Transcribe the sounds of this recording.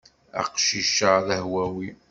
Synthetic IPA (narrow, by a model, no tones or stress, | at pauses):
a̰qʃiʃəðəhwæwi